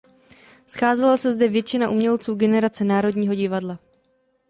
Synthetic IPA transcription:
sxaːzɛlasɛzdɛvjɛt͡ʃɪnaʔumɲɛlt͡suːɡɛnɛɾat͡sɛnaːɾo̞dɲiːɦo̞ɟɪvadla

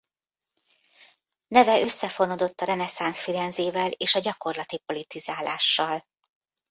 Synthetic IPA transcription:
nɛvɛø̞sːɛfo̞nod̪o̞t̪ːɒɾɛnɛsansfiɾɛnzeːvɛleːʃɒɟɒko̞rlɒt̪ipo̞lit̪izaːlaːʃːɒl

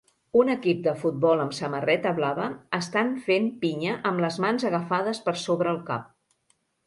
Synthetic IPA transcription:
unəkip̚d̪əfut̪̚bɔləmsəmərɛt̪əβlaβəːst̪anfenpiɲəʔəmləzmanzəɣəfaðəspəɾsoβɾəːlˠka̰p̚

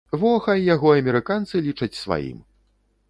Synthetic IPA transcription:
vɔxajaɣɔɐmʲɛɾɨkant̪sɨlʲit͡ʂɐt͡sʲsva̰jḭm

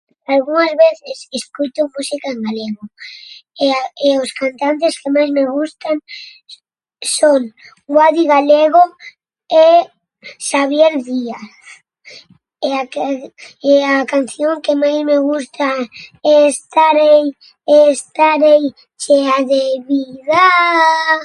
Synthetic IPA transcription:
alɣuŋazβeθeseskut̪ʊmusikaeŋɡaleɣo | eʊskant̪ant̪eskemajzmeɣ̞ust̪aŋ | soŋ | ɡwaðiɣaleɣo | e | ʃaβjeld̪iaθ | eak | eakan̟θjoŋkemajzmeɣ̞ust̪aest̪aɾej | est̪aɾej | t͡ʃeaðeβiða

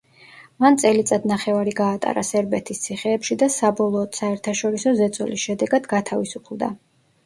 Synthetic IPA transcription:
mant̪sʼɛlit̪sʼad̪naχɛvaɾiɡaːt̪ʼa̰ɾa̰sɛɾbɛt̪ʰist̪sʰiχɛːpʃid̪asabɔlˠɔːd̪̥saɛɾt̪ʰaʃɔɾisɔzɛt̪sʼɔ̰lisʃɛd̪ɛɡad̪ɡat̪ʰavisupʰlˠd̪a̰

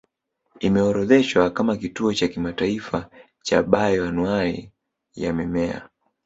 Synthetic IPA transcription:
imɛɔɾɔðɛʃwakamakituɔt͡ʃakimataifa | t͡ʃaɓajɔanwaɾḭ | ja̰mɛmɛa̰

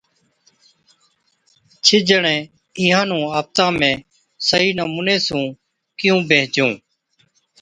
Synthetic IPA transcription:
t͡ʃʰɪd͡ʒəɳẽː | iːɦãːnũːaːp̚t̪ãːmẽː | səɦiːnəmuːneːsũː | kɪjũːbʱeːɦd͡ʒũː

